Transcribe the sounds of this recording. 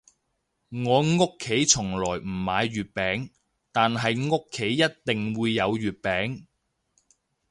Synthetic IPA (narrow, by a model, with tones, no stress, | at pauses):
ŋɔː˨˧ŋʊ˥kʰːe˨˥jt͡ʃʰʊ˨˩ŋlɔː˨˩jm̩˨˩maː˨˧jɥyː˨t̚pɛː˨˥ŋ | t̪aː˨nɦɐ˨jŋʊ˥kʰːe˨˥jːɐ˥t̚t̪ɪ˨ŋwuː˨˧jːɐ˨˧wɥyː˨t̚pɛː˨˥ŋ